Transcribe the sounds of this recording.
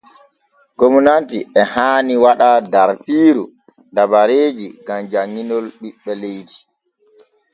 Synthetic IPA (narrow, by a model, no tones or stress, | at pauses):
ɡomɔnantiɛhaːniwaɗadaɾfiːɾu | dabaɾeːd͡ʒiɡamd͡ʒaŋːinɔlɓiɓːɛlejti̥